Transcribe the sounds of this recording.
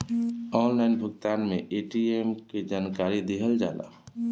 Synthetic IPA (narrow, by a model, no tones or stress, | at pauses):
ɔːnlaɪnbʱʊɡt̪aːnmḛ̃ʔeːʈieːmked͡ʒaːnkaːɾid̪ɪɦəld͡ʒaːla̰ː